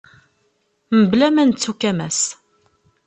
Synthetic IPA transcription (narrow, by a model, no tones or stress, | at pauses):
məblæmænət͡sːukːæmæs